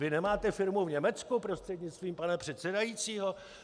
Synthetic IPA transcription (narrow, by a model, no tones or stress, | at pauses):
vɪnɛmaːt̪ɛfɪɾmuvɲɛmɛt͡skupɾo̞st̪r̥ɛdɲɪt͡st̪viːmpanɛpr̝̥ɛt̪t͡sɛdajit͡siːɦo̞